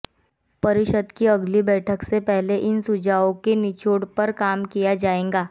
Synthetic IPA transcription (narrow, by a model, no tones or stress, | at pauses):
pɐɾɪʃəd̪kiɐɡlibɛːʈʰəksepɛɦleʔɪnsʊd͡ʒaːõkenɪt͡ʃoːɽpɐɾkaːmkijad͡ʒaːẽːŋɡaː